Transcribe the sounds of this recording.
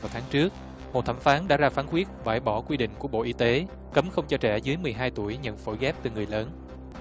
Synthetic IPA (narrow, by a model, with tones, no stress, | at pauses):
t̪ʰaː˨˦ŋt͡ɕɨ˦˥ək̚ | mo˨˩t̚t̪ʰa˧˩mfaː˨˦nɗa̰ː˧˥zaː˧faː˨˦˥nkwi˦˥ət̚ɓaː˧˩jɓɔ˧˩kwi˧ɗḭ̈˧˨ŋ̟ku˧˩əɓo̰˧˨ʔi˧˦t̪e˨˦ | kə˨˦mxə˧wŋ͡mt͡ɕɔ˧t͡ɕɛ˧˩zɨː˨˦jmɨ˨˩əjɦaː˧jt̪u˧˩əjɲə̰˧˨nfo̰˧˩jɣɛ˦˥p̚t̪ɨ˨˩ŋɨ˨˩əjləː˨˦n